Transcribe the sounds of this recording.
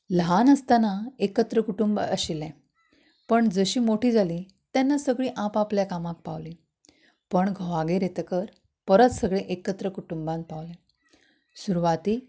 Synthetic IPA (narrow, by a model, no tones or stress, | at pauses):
ləɦanəst̪anaekət̪ɾəkuʈumbə̰ɕilɛ̃ | pəɳd͡zəɕiːmoʈʰiːd͡zʱali | t̪janːasəɡɭiːʔãpapljakamãk̚paʋli | pəɳɡʱoʋaɡeɾet̪əkəɾ | pəɾət̪səɡɭẽʔekət̪ɾəkuʈumbãn̚paʋlɛ̃ | suɾuʋat̪iː